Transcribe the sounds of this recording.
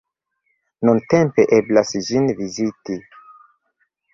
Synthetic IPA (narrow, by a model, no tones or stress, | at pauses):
nunte̞mpe̞ʔe̞blasd͡ʒinviziti